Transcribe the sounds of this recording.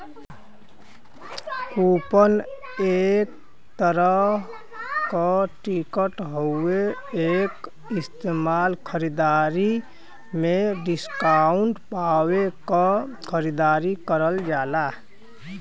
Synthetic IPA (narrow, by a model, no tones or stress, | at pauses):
kupən | ek̚ | t̪əɾə | kaʈikəʈɦoeeːk | ɪst̪eːmaːlkʰəɾid̪aːɾi | mẽɖɪskaʊɳʈpawekakʰəɾid̪aːɾikəɾəld͡ʒaːla